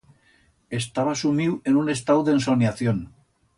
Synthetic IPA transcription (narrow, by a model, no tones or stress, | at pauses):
e̞st̪aβasumiwe̞nune̞st̪awðensonjaθjon